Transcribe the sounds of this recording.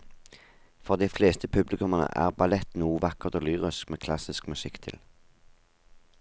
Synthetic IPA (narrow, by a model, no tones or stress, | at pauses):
fɔʁd̪iːfleːst̪əpʰʉblɪkʉmɑnə̰ʔæ̰ːʁbɑlɛt̪nuːʋɑkəʁt̪oːlyːʁɪskmeːkʰlɑsɪskmʉsɪkt̪ʰɪ̰l